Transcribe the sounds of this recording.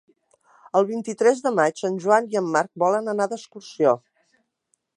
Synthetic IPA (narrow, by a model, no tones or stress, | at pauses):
əlˠβint̪it̪ɾɛzðəmat͡ʃənʲʒuaniəmːaɾk̚bɔlənənaðəskursio